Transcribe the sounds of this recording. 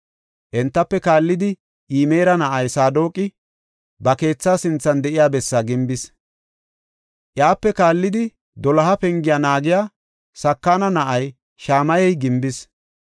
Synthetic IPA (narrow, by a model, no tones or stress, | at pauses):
ʔɛnt̪ːɐpːɛkaːlːɪd̪ɪ | ʔiːme̞ːɾɐnɐʔɐjsaːd̪o̞ːkʼːɪ | bɐke̞ːt͡sːaːsɪnt͡sːɐnd̪ɛʔɪjaːbɛsːaɡɪmbɪs | ʔjaːpːɛkaːlːɪd̪ɪ | d̪ɔlɐɦɐpɛŋɡɪjaːnaːɡɪjaː | sɐkːaːnɐnɐʔɐj | ʃaːmɐjɛjɡɪmbɪs